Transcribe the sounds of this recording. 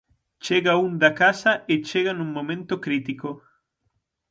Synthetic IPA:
t͡ʃeɣaund̪ɐkasɐʔet͡ʃeɣɐnũŋmõmẽnt̪okɾit̪iko

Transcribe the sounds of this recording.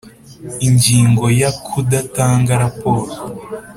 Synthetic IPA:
iɲɟiːŋɡo̞jakʰudataːŋɡaɾapo̞ːɾo

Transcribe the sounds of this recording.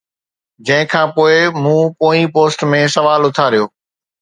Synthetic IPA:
d͡ʑɐ̃ɦɪ̃kʰãːpoːɪmũːpoːĩpoːsʈmẽsɐʋaːlʊt̪ʰaɾijoː

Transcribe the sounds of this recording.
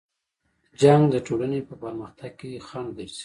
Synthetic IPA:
d͡ʒaŋɡd̪əʈolanepəpəɾməxt̪aɡ̚kexand̪əɾsi̥

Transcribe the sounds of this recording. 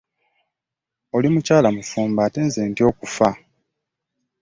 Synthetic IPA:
o̞limucaːlamufuːmbaːte̞ːnzeːntio̞ːkufa

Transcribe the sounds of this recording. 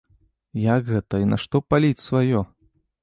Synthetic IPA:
jakɣɛt̪ɐinɐʂt̪ɔpalʲit͡sʲsvajɔ

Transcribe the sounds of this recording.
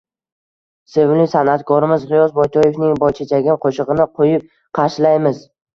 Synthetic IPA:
se̞vlɪsanat̪kʰɒɾɪmɪzʁɪjɒsbɒjt̪ʰɒje̞fnɪŋbɒjt͡ʃʰat͡ʃʰaɡʲɪnqʰoʃɨʁɨnɪqʰojɪp̚ | qʰɑɾʃlajmɪz

